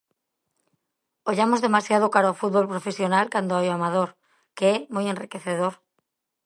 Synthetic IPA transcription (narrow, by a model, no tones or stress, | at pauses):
oʎamozðe̞masjað̞okaɾaofut̪̚βolpɾofesjonalkand̪oajoamað̞oɾ | keɛmojẽnrikeθeðoɾ